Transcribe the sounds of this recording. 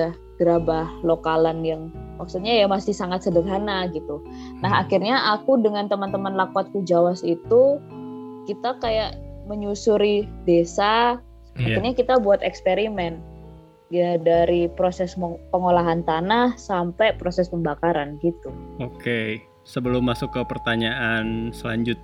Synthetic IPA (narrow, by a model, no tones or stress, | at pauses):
a | ɡ̥ɾabahlokalənjaŋmak̚sut̪̚ɲajamasɪhsaŋat̪sədərɦanaɡit̪u | naɦakirɲaʔakudəŋant̪əmant̪əmanlakwat̪̚kud͡ʒawasit̪u | kit̪akajaʔməɲusuɾidesa | akirɲakit̪abuat̪ɛkspeɾimɛn | jadaɾipɾosɛspəŋolaɦant̪anahsampapɾosɛspəmbakaɾanɡit̪uoke | səbəlʊmːasʊkːəpərt̪aɲaʔansəlaɲd͡ʒʊt̪̚